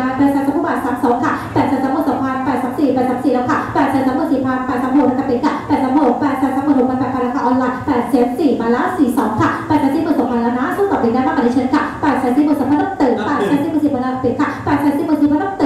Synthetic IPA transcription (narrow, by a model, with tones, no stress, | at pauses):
aː˧ɾaː˧saː˧˥sa˨˧˦pʰuː˧˥˩baː˨˩t̪saː˨˦msɔː˨˩˦ŋkʰa˥˩pɛː˨˩t̪̚sa˧˥sa˨˦moː˧˩tsa˨˦pʰa˧npɛː˨˩t̪̚saː˨˦msiː˨˩pɛː˧˩t̪̚sa˨˦msiː˨˩lɛː˧˥wkʰa˥˩pɛː˨˩t̚sa˨˦˥t̪̚sa˨˦mo˧˩si˧˩pʰaː˧˥n̚pɛː˨˩sa˨˦mho˧˩na˧ka˧t̪i˨˧˩n̚kʰa˧˥˩pɛː˨˩t̪̚sa˨˦mo˨˩t̚pɛː˧˩t̪̚saː˧˥t̪̚sa˨˧˦moː˧˩ɾo˧˩maː˧˩p̪aː˨˩kʰa˧ɾa˧kʰaː˧ʔɔː˧nlaː˧jpɛː˨˩t̪̚sɛ˨˦nsiː˨˩maː˧˩laː˦˥nsiː˨˩sɔː˨˦ŋkʰa˥˩pɛː˨˩ɛː˧˩siː˧˩mɯː˨˩nso˨˩aː˧˩laː˦˥naː˦˥sʰa˧˥˩ɔː˨˩iː˧˩na˥˩jmaː˥˩kɔ˨˩˧ə˧˩ŋkʰa˧˥˩pɛː˨˩t̪̚saː˨˦si˧˥˩mo˧˩nsa˨˧˦pʰa˧˥no˥˩ŋt̪ɤː˨˩ŋpaː˧˩sɛː˧˦nsiː˧˥mː˧˨˩si˨˩maː˧laː˧ka˧p̪i˨˩n̚kʰa˧˥˩pɛː˨˩t̪̚sɛː˨˦nsiː˨˧˩muː˨˩t̪i˧˩pa˧˥no˥˩t̪ɤ˨˩